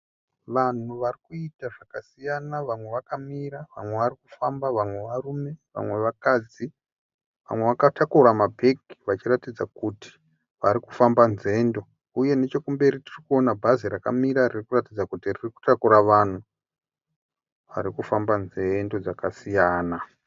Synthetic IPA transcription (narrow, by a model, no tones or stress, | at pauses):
ʋan̤uʋarikuitaʐakasijanaʋamwe̞ʋakamiɾaʋamwe̞ʋariku̥fambaʋamwe̞ʋarume̞ʋa̰mwe̞ʋakaːd͡zi | ʋa̰mwe̞ʋakatakuɾamabʱe̞ki̥ʋat͡ʃiratid͡zakuti̥ | ʋaɾiku̥fambanze̞ndo̞ | uje̞ne̞t͡ʃo̞kumbe̞ɾitirikuo̞nabʱaziɾakamiɾaririkuratid͡zakutiririku̥takuɾaʋan̤u | ʋa̰ɾikufambanze̞ndo̞d͡zakasijaːna